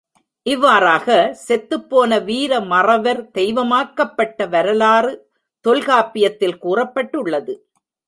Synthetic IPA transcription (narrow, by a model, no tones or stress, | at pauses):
ʔɪʋːaːɾaːɣɐsɛt̪ːɯpːoːnɐʋiːɾɐmɐrɐʋɐɾd̪̥ɛjʋɐmaːkɐpːɐʈːɐʋɐɾɐlaːrɯ | t̪ɔlɣaːpɪjɐt̪ːɪlkuːrɐpːɐʈːɯɭːɐðɯ